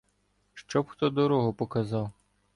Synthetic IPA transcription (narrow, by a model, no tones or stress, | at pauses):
ʃt͡ʃɔbxt̪ɔd̪ɔɾɔɦɔpɔkɐzɑw